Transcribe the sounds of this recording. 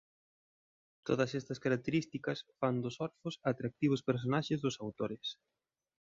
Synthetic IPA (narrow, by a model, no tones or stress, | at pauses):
t̪oðɐsɛst̪ɐskaɾak̚t̪eɾist̪ikɐsfand̪ʊsɔɾfʊsat̪ɾak̚t̪iβ̞ʊspeɾs̬onaʃɪzðʊsawt̪oɾɪs